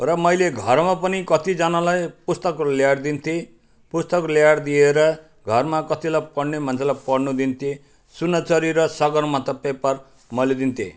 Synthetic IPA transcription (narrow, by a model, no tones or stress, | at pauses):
rʌmʌjleɡʱʌrmapʌnikʌt̪id͡zanalajpust̪ʌkljaɽd̪int̪ʰe | pust̪ʌkljaɽd̪ieɾʌ | ɡʱʌrmakʌt̪ilajpʌɽnem̤ʌnt͡sʰelajpʌɽnud̪int̪ʰe | sunːʌt͡sʌɾiɾʌsʌɡʌrmat̪ʌpepʌr | mʌled̪int̪ʰḛ